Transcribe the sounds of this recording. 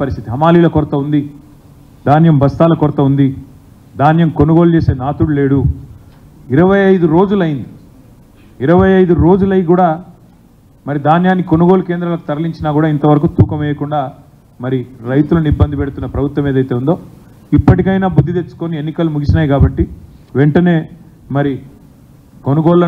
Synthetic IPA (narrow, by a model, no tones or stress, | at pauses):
ɐɾist̪ʰit̪iɦɐmaːliːlɐkɔɾɐt̪ɐund̪i | d̪ʱaːnjɐmbɐst̪aːlɐkɔɾɐt̪ɐund̪i | d̪aːnjɐmko̞nuɡoːlut͡ʃe̞ːse̞ːnaːt̪uɽule̞ːɽu | iɾɐʋɐjɐjd̪uɾo̞ːd͡ʒulɐjind̪i | iɾɐʋɐjɐjd̪uɾo̞ːd͡ʒulɐjkuːɽaː | mɐɾid̪aːnjaːnːiko̞nuɡo̞ːluke̞ːnd̪ɾɐlɐku̥t̪ɐɾɐliɲt͡ʃinaːkuːɽaːint̪ɐʋɐɾɐkuːt̪uːkɐmɛːjɐkuɳɖaː | mɐɾiɾɐjt̪ulɐnibːɐnd̪ʱipɛɽut̪unːɐpɾɐbʱut̪wɐmeːd̪ɐjt̪eːund̪o̞ː | ipːɐʈikɐjnaːbud̪ʱːit̪e̞t͡ʃːu̥konie̞nːikɐlumuɡit͡ʃinaːjikaːbɐʈːi | ʋeɳʈɐne̞ː | mɐɾi | ko̞nuɡoːɭɐ